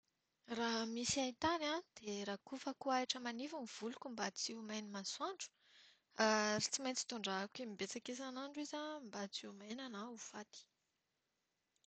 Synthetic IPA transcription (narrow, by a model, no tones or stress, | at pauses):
raɦmisiajt̪anad̪̥eɾakufəkuaiʈ͡ʂəmanivumiv̥ulukʲumbat͡siumajnimaswaɳɖ͡ʐu̥ | aɾit͡simajnt͡si̥t̪uɳɖ͡ʐaakimibet͡sakesanaɳɖ͡ʐuizambat͡siumajnanaufat̪i̥